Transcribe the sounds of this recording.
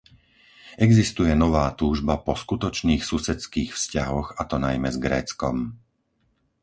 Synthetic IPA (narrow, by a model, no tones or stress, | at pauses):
ɛɡzist̪ujɛnɔʋaːt̪uːʒbapɔskut̪ɔt͡ʃniːxsusɛt͡skiːxfscaɦɔɣat̪ɔnajmɛzɡɾɛ̰ːt͡skɔm